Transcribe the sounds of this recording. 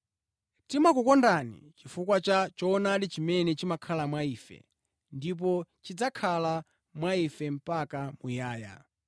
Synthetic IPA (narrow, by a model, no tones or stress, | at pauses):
timakukɔndanḭt͡ʃifukwat͡ʃat͡ʃɔːnadit͡ʃimɛnɛt͡ʃimakʰalamwaiːfɛ̰ | ndip̬ɔt͡ʃid͡zakʰala | mwaifɛm̩pakamujaːja̰